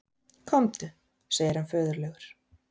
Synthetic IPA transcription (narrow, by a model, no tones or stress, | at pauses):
kʰɔmt̪ʏ | seːjɪɾ̥hanfœːðʏɾlɛɣʏɾ̥